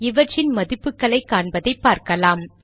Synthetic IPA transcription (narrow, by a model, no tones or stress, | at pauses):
ɪʋɐʈt͡ʃːɪnmɐðɪpːɯkːɐɭɐɪkːaːɳbɐðɐɪpːaːɾkɐlaːm